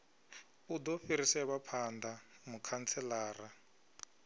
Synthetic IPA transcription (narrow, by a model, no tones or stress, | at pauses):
udɔɸiɾisɛβapʰandamukʰant͡sʰɛlaːra